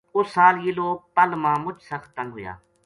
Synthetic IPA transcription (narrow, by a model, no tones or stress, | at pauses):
ʊsaːljiːloːk̚pəlmãːmʊd͡ʒsəxt̪ənɦʊja̰ː